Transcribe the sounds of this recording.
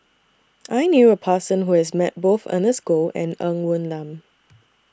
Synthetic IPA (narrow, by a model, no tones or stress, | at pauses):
ʔajnjuəpʰəsə̃nɦuhɛsmɛt̚boθə̰̃nəsɡoɛ̃nə̃ŋwũnlãm